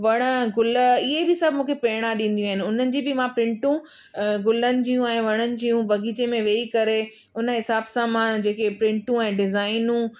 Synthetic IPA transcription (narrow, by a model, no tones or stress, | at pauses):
ʋɐɽ̃əɡʊlɪɦebɪsɐbʱmũːkʰepeːɪɽ̃ãɗĩːnd̪ijũaɦɪnɪ̆ʊn̤ənɪ̆d͡ʑiːbɪmãpɾɪ̃ɳʈũ | ɡʊlənɪ̆d͡ʑiːũɛ̃ːʋɐɽ̃ənɪ̆d͡ʑiːjũbɐɡiːt͡ɕemẽʋeːikɐɾe | ʊnəɦɪsaːbsãmãd͡ʑeːkepɾɪ̃ɳʈũɛ̃ːɖɪzaːɪnũ